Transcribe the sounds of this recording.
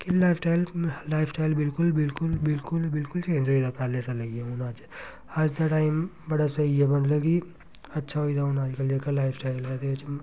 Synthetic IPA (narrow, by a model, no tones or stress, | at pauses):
kilaːɪpʰʈaːjllaːɪpʰsʈaːɪlbɪlkʊlbɪlkʊlbɪlkʊlbɪlkʊlt͡ʃẽːnd͡ʒoid̪apaːlesãlɐɡieʊnaːd͡ʒ | ad͡ʒd̪ɐʈaːɪm | bɐɽasɐiebɐnlɐɡi | ɐtːʃʰaɦoid̪aʊnaːd͡ʒkɐld͡ʒekalaːɪpʰsʈaːɪlɐd̪et͡ʃ